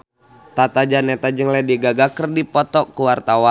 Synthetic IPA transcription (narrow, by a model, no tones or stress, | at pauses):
t̪at̪ad͡ʒanɛt̪ad͡ʒəŋlɛdiɡaɡakərdipɔt̪ɔkuwart̪awa